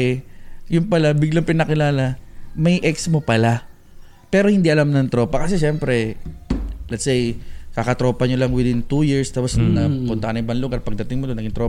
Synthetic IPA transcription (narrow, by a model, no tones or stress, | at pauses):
ɛjʊnpɐlabɪɡlɐŋpɪnɐkɪlaːlɐmɐjʔɛksmopɐla | pɛːɾo̞hɪnd̪iʔɐlamnɐŋt̪ɾo̞ːpɐkɐsɛʃɛmpɾɛ | lɛt̪sɛjkakɐt̪ɾo̞ːpɐɲolɐŋwɪd̪ɪnt̪ujiɹst̪aːposnɐpʊnt̪ɐkɐnɐʔɪbaŋlʊɡaɾpɐɡ̚d̪ɐt̪ɪŋmod̪onɐɡɪŋt̪ɾo